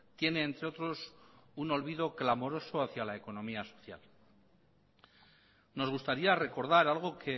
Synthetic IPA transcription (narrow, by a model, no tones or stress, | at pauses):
t̪je̞ne̞ːnt̪ɾe̞o̞t̪ɾo̞suno̞lβiðo̞klamo̞ɾo̞so̞aθjalae̞ko̞nõ̞miaso̞̥θja̰l | no̞zɣ̞ust̪aɾiare̞ko̞ɾðaɾalɣ̞o̞kʰe̞